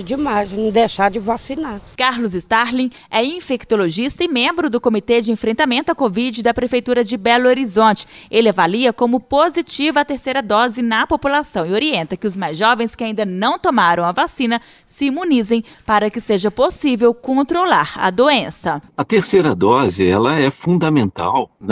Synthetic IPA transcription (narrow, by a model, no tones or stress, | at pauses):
d͡ʒɪmajzd̪ejʃad͡ʒɪvasinakaɾlʊzɪst̪aɾlĩ | ɛĩfek̚t̪oloʒist̪ɐɪmẽmbɾʊd̪ʊkomit̪ed͡ʒɪẽfɾẽnt̪amẽnt̪ʊɐkovid͡ʒɪd̪ɐpɾefejt̪uɾɐd͡ʒɪbɛloɾizõnt͡ʃɪ̥elɪavaliɐkõmʊpozit͡ʃivɐɐt̪eɾsejɾɐd̪ɔzɪnɐpopulasɐ̃w̃ɪoɾiẽnt̪ɐkɪʊzmajzʒɔvẽj̃skɪaĩnd̪ɐnɐ̃w̃t̪omaɾɐ̃w̃ɐvasĩnɐ | sɪimũnizẽj̃paɾɐkɪseʒɐposivewkõnt̪ɾolaɾɐ̰d̪oẽsɐɐt̪eɾsejɾɐd̪ɔzɪɛlɐɛfũd̪ɐmẽnt̪a̰wn